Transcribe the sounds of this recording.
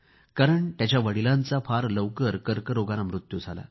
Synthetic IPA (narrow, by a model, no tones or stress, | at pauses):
kaɾəɳt̪jat͡ɕjaʋəɽilãnt͡safʰaɾləʋkəɾkəɾkəɾoɡanamɾut̪jud͡zʱala̰